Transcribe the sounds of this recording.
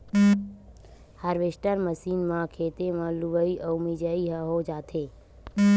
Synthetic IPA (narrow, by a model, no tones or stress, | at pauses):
haːɾʋesʈəɾməsiːnmãːkʰeːt̪emãluʋəiʔəwmid͡ʒəiɦəɦod͡ʒaːt̪ʰeː